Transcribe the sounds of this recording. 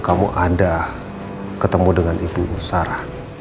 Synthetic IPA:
kamṵʔada | kət̪əmudəŋanibuusaɾa

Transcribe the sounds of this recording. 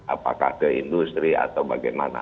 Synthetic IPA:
ʔapa̰kahkəindust̪ɾia̰t̪awbaɡajmana̰

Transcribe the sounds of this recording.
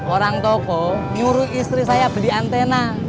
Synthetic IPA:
oɾaŋt̪ɔkɔɲuɾuist̪ɾisajab̥əliant̪ena

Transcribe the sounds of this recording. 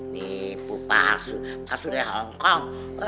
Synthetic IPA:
nipupa̰supasudɛɦɔŋkɔŋ | k

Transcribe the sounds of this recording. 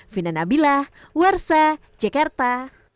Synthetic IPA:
finanabilah | warsa | d͡ʒakart̪a

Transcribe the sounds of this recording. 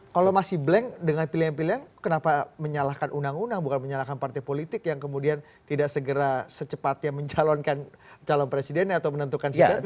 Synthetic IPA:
kalomasɪhblɛŋdəŋanpilianpiliankənapaməɲalahkanʔunaŋunaŋbukanməɲalahkanpart̪epolit̪ɪkjaŋkəmudian | t̪idaʔsəɡəɾasət͡ʃəpat̪̚jaməɲt͡ʃalɔnkan | t͡ʃalɔnpɾesidɛnɲaːt̪awmənənt̪ukansia

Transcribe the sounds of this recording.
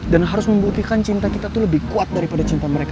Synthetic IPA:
danɦaɾʊsməmbut̪ikant͡ʃint̪akit̪at̪uləbɪhkuat̪̚daɾipadat͡ʃint̪aməɾeka

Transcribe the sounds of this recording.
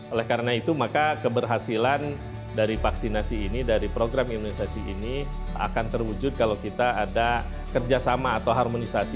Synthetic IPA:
olɛhkaɾənait̪umakakəbərɦasilan | daɾifaksinasiːnidaɾipɾoɡɾamimunisasiʔinia̰kant̪ərwud͡ʒʊd̚kalawkit̪aːda | kərd͡ʒasamaːt̪awɦarmonisasi

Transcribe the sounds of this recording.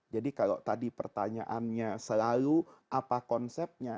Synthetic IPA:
d͡ʒadikalot̪adipə̰rt̪aɲa̰ʔanɲasəlaluʔapakɔnsɛp̚ɲa

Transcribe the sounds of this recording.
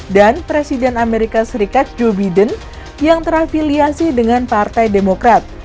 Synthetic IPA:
danpɾesidɛnameɾikasəɾikat̪̚d͡ʒobadən | jaŋt̪əɾafiliasidəŋanpart̪ajdemokɾat̪̚

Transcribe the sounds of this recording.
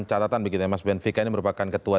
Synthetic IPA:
t͡ʃat̪at̪anbiɡit̪uɲamasbɛnfikainiməɾupakankət̪ua

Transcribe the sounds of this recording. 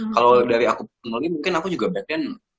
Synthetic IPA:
kalodaɾiakuənulimuŋkɪnakud͡ʒuɡabɛk̚dɛn

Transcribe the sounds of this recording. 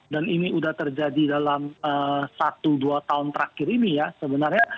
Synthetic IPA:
daniniudaht̪ərd͡ʒadidalaməsat̪uduat̪aʊnt̪əɾakɪɾinijasəbənarɲa

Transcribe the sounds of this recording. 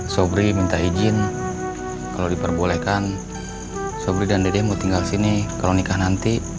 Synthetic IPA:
sobɾimint̪aid͡ʒin | kalodipərbolɛhkan | sobɾidandedɛmot̪iŋɡalsinikalonikahnant̪i

